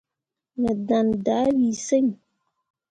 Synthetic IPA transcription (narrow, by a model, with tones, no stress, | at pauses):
nə˨dã˨nda˨˦wiː˨se˦ɲ